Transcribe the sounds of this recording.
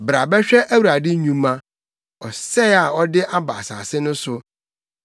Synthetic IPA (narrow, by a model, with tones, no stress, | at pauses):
bɾa˨bɛ˦ɕᶣɛ˦ʔæ˦wa˨dɪ˦ɲũ˦mːã˦ | ɔ˨sɛ˦a˨ɔ˦dɪ˦ʔa˦ba̰˨sa̰˨sɪ˦nʊ̃˦sʊ˨